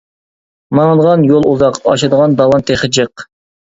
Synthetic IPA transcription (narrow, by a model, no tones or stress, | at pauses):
mɑŋlˠʁɑnjolˠuzɑqɑʃɑd̪əʁɑnd̪ɑlɑnt̪ʰeχəd͡ʒəq